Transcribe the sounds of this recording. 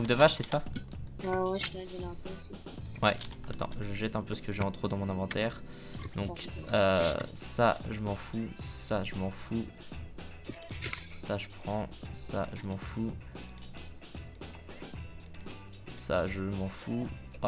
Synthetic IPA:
uvd̪əvaʃsɛsawɛwɛʃadɛlɛ̃pøsi | wɛ̰a̰t̪ɑ̰̃ʒəʒɛt̪ɛ̃pøsə̥kəʒɛɑ̃t̪χod̪ɑ̃mɔ̃nɛ̃vɑ̃t̪ɛʁ | d̪ɔ̃kø | sa̰ʒəmɑ̃fusaʒəmɑ̃fu | saʒəpχɑ̃sa̰ʒəmɑ̃fu | sa̰ʒəmɑ̃fu

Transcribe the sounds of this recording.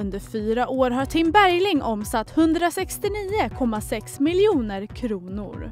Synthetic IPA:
ɵnd̪əɾfyːɾaʔoːɾɦaʈʰɪmbæɾjlɪŋʔɔmsat̪ːhɵnd̪ɾasɛkst̪ɪniːəkʰɔmːasɛksmɪljuːnəɾkʰɾuːnʊ̰ɾ

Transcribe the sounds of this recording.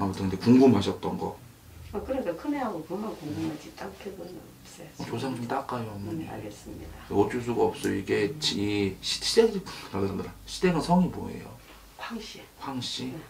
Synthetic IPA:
amotʰandekuŋɡumɦaɕʰʌt̚t͈ʌnɡʌ̰ | ʌkɯɾʌik͈akʰɯneɦaɡokɯɦakuŋɡumad͡ʑit͈akʰebonɯnʌp̚s͈ʌjoot͡ɕosʰaŋdiɲit͈ak͈ajonna̰ɭɡes͈ɯmɲḭdaot͡ɕ͈us̬ʰuɡaʌp̚s͈ʌiɡet͡ɕiɕʰiɕʰidealaaɕʰideɡansʰʌŋibo̰ḛjo̰ | hwaŋɕ͈ihwaŋɕ͈i

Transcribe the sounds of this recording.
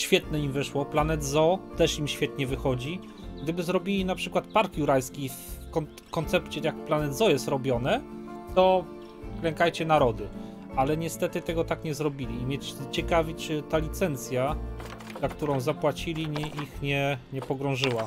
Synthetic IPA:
ɕfʲjɛt̪nɛimvɘʂwɔplanɛd̪zɔt̪ɛʂimɕfʲjɛt̪ɲɛvɘxɔd͡ʑi | ɡ̚d̪ɘbɘzɾɔbʲilʲinapʂɘkwat̪̚paɾkjuɾajskʲifkɔ | kɔnt̪sɛpt͡ɕɛjakplanɛd̪zɔjɛst̪ɾɔbʲjɔnɛt̪ɔ | klɛŋkajt͡ɕɛnaɾɔd̪ɘ | alɛɲɛst̪ɛt̪ɘt̪ɛɡɔt̪akɲɛzɾɔbʲilʲiːmʲjɛt͡ɕɛkavʲit͡ʂɘt̪alʲit̪sɛnt̪sʲja | zak̚t̪uɾɔ̃w̃zapwat͡ɕilʲiɲɛʔixɲɛɲɛpɔɡɾɔ̃w̃ʐɘwa

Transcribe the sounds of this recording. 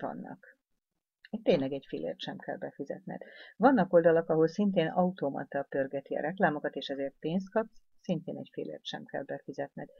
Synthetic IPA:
vɒ̰nːɒ̰k | ɛct̪ːeːɲlɛɡɛɟfilʔḛːrt̪ʃɛmkʰɛ̰lbɛfizɛ̰t̪nɛ̰d̪vɒnːɒko̞ld̪ɒlɒkɒɦo̞lsint̪eːnɒut̪oːmɒ̰t̪ɒpørɡɛt̪iɒ̰ɾɛklaːmo̞kɒt̪eːʃɛzeːrt̪̚peːns̬t̪̚kɒps | sint̪eːnɛcfilḛːrt̪ʃɛmkɛ̰lbɛfizɛt̪nɛd̪

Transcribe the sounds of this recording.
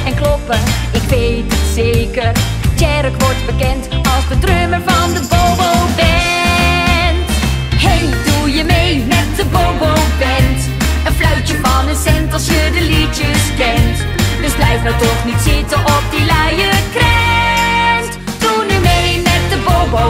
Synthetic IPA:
ɛnklɔpəɪkʋejttseːkər | t͡ʃɛrəkʋɔɹtbəkɛntɑlˠsdədrøməɹvɑndəbobowbɛ | nt | hejdujəmejnɛt̚dəbobowbɛnt | ənflœɥt͡ʃəfɑnənsɛntəlˠsødəlitəsbɛnt | dəsblɛjfnawtɔχnitsɪtəʔɔp̚dilajəkrɛ | nt | dunymejnɛt̚dəbobo

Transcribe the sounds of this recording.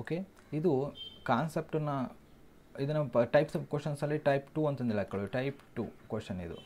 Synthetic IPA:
oːke | id̪ukaːnsep̚ʈɐnːɐ | id̪ɐnːɐʈɐjpsɐkoːʂɐnsɐlːiʈɐjpʈuɐnt̪ɐnd̪iɭɐaːkɡɐɭuʈɐjpʈṵkwoʂɐnḭd̪ṵ

